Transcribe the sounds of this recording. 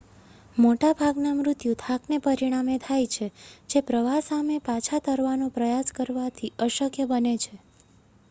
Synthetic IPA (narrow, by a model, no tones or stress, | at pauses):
moʈabʱaɡnamɾʊt̪jut̪ʰaknepəɾiɽ̃amet̪ʰajt͡ʃʰed͡ʒepɾəʋasamepat͡ʃʰat̪əɾʋanõpɾəjaskəɾʋat̪ʰiəʃəkʰjəbənet͡ʃʰe